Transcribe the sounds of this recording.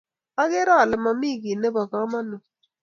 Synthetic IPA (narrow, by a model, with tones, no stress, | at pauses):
a˦ɣɪ˦ɾɔ˦˨lɛ˨ma˨mi˦˨ɡi˨ne˦bɔ˨ka˦ma˦no˨